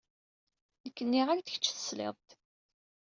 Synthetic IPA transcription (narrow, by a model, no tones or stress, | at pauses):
nəkːənːiʁaɾt̪əçə̥t͡ʃːθə̥slḛðˤt̪